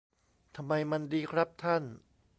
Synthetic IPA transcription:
t̪ʰa˧mːa˧jma˧ndiː˧kʰɾa˦˥p̚t̪ʰa˥˩n

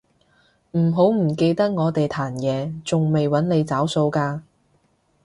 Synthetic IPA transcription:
m̩˨˩ɦo˨˥wm̩˨˩ke˧jt̪ɐ˥k̚ŋɔː˨˧t̪e˨jt̪ʰaː˨˩njɛː˨˧t͡sʊ˨ŋme˨jwɐ˨˥nle˨˧jt͡saː˨˥wso˧wkaː˧

